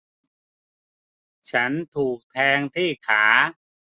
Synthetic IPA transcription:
t͡ɕʰa˦˥nt̪ʰuː˨˩k̚t̪ʰɛː˧ŋt̪ʰiː˥˩kʰaː˩˦

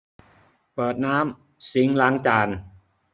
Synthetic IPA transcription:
pɤː˨˩t̪̚naː˦˥m | si˨˦ŋlaː˦˥ŋt͡ɕaː˧n

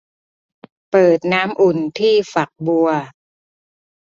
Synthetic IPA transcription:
pɤː˨˩t̪̚naː˦˥mʔu˨˩nt̪ʰiː˥˩fa˨˩k̚bu˧ɐ

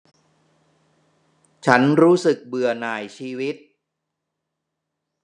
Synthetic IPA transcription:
t͡ɕʰa˦˥nɾuː˦˥sɯ˨˩k̚bɯ˨˩ɐnaː˨˩jt͡ɕʰiː˧wi˦˥t̪̚

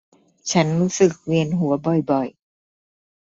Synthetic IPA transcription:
t͡ɕʰa˦˥nɾuː˦˥sɯ˨˩k̚wi˧ənɦu˨˩˦ɐbɔ˨˩jbɔ˨˩j

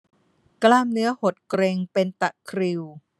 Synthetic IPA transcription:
klaː˥˩mnɯ˦˥ɐho˨˩t̪̚kɾeː˧ŋpe˧nt̪a˨˩ʔkʰɾi˧w

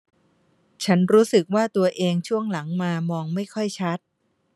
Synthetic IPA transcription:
t͡ɕʰa˦˥nɾuː˦˥sɯ˨˩k̚waː˥˩t̪u˧ɐʔeː˧ŋt͡ɕʰu˥˩əŋla˩˦ŋmaː˧mɔː˧ŋma˥˩jkʰɔ˥˩jt͡ɕʰa˦˥t̪̚

